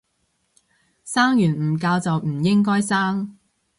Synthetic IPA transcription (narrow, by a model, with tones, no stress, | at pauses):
saː˥ŋjyː˨˩n̩ː˨˩kaː˧wt͡sɐ˨wm̩˨˩jɪ˥ŋkɔː˥jsaː˥ŋ